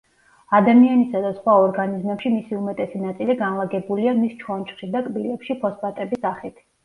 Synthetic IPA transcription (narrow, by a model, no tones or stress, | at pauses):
ad̪amianisad̪asχwaɔɾɡanizmɛpʃimisiumɛt̪ʼɛsinat̪sʼiliɡanlˠaɡɛbuliamist͡ʃʰwɔnt͡ʃʼχʃid̪akʼbilɛpʃipʰɔspʼat̪ʼɛbisaχit̪ʰ